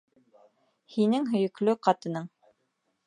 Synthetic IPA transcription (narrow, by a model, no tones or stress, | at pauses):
hinɘŋɦɵ̆jɵ̆klɵqɑt̪ɤ̆nɤɴ